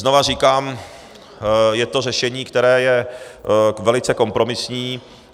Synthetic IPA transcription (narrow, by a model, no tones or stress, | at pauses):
znovariːkaːm | jɛt̪o̞rɛʃɛɲiːkt̪ɛɾɛːjɛ | vɛlɪt͡sɛko̞mpɾo̞mɪsɲiː